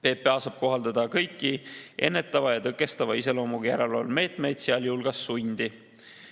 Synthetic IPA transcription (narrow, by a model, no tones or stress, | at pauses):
pe̞ːpːˑeɑsɑb̥̚ko̞ɦɑld̪̥ɑd̪ɑkɤjkˑːiʔe̞̰nːe̞t̪ːˑɑvɑjɑt̪ɤkːˑe̞st̪ɑvɑise̞lo̞ːmuɡ̥ijæɾeloːlme̞ːt̪ˑme̞jd̪̥seɑljulɡ̥ɑsːunʲd̪̥i